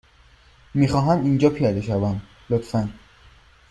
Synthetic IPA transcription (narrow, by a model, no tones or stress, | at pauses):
miːxɒːɦæmind͡ʒɒːpʰijɒd̪eʃævæn | lot̪fæn